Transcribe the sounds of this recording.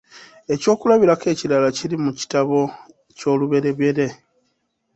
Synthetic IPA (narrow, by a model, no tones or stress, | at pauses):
e̞co̞ːkulaβiɾake̞ːcilalacilimuci̥taβo̞ | co̞ːluβe̞ɾe̞βe̞ɾe̞